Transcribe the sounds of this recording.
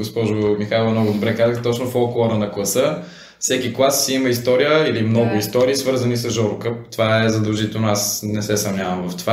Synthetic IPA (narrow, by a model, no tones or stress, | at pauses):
ɡospɔʒomixajlˠɐmnɔɡʊd̪obɾɛkazəxt̪ɔt͡ʃnofɔlˠklˠoɾənɐklˠɐsə | fsɛkiklˠasːiiməist̪ɔɾijəilimnɔɡʊist̪ɔɾiːsvɤɾzənisɐzʒɔɾʊkəpt̪ovaɛzɐd̪ɐlˠʒit̪ɛlˠnoasnɛsɛsɐvnʲavɐmvɐft̪ova